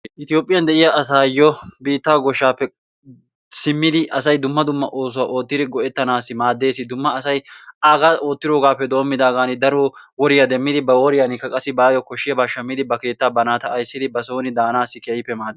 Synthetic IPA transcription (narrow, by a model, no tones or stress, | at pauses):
ʔɪt̪ɪjo̞ːpʼːɪjɐnd̪ɛʔɪjaɐsaːjɔbiːt̪ːaːɡɔʃːaːpːɛ | sɪmːɪd̪ɪʔɐsɐjd̪ʊmːɐd̪ʊmːɐʔo̞ːs̬ʊwaːʔo̞ːt̪ːɪd̪ɪɡɔʔɛt̪ːɐnaːsːɪmaːd̪ːe̞ːsːɪd̪ʊmːɐːsɐjʔaːɡaːo̞ːt̪ːɪɾoːɡaːpːɛd̪o̞ːmːɪd̪aːɡaːnɪd̪ɐɾo | wɔɾɪjɐd̪ɛmːɪd̪ɪbɐwɔɾɪjɐnɪkːɐkʼɐsːɪbaːjɔkɔʃːɪjɐbaːʃɐmːɪd̪ɪbɐke̞ːt̪ːaːbɐnaːt̪ɐːjsːɪd̪ɪbɐsoːnɪd̪aːnaːsːɪkɛjɪpːɛmaːd̪